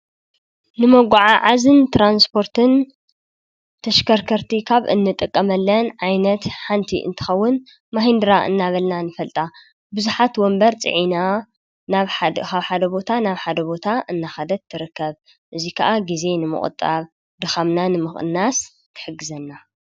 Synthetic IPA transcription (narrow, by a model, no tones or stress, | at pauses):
nɨmɐɡʷaʕaʕazɨnt̪ʰɾanspʰo̞ɾt̪ʰɨn | t̪ʰɐʃkʰɐɾkʰɐɾt̪ʰikʰaβɨ̰nːɨt̪ʼɨkʼːɐmɐlːɐnʕajnɐt̪ħant̪ʰḭʔɨ̰nt̪ʰɨ̥xɐwːʊn | maɦind̪ɨɾaʔɨ̰nːaβɐlnanɨfɐlt̪ʼa | bɨzuħat̪wɔmbɐɾt͡sʼɨ̰ʕina | naβkʰaβħad̪ɐbo̞t̪ʰanaβħad̪ɐbo̞t̪ʰaʔɨnːaxad̪ɐt̪ʰːɨɾɨkːɐβ | ʔɨzikʰɐʔaɡize̞nɨmɨ̰kʼɨ̰t̪ʼaβ | d̪ɨxamnanɨmɨxʼɨ̰nːas | kʰɨ̥ħɨɡːɨzɐnːa